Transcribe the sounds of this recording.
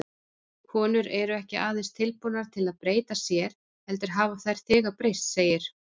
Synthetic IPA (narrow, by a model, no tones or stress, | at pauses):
kʰɔːnʏɾɛɾʏɛhcɪʔaːðeɪnst̪ʰɪlpunaɾ̥t̪ʰɪlaðpɾeːjt̪asjɛɾ̥ | hɛlt̪ɪɾ̥ɦaːvaθajɾ̥θɪːɣapɾejst̪seːjɪɾ̥